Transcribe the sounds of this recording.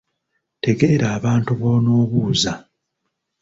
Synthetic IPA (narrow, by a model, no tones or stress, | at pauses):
te̞ɡe̞ːɾaːβaːntuβo̞ːno̞ːβuːza